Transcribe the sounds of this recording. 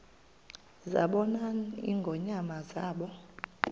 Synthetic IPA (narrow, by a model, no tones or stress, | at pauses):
za̰ɓɔnaḭŋɡʱɔɲamazaːɓɔ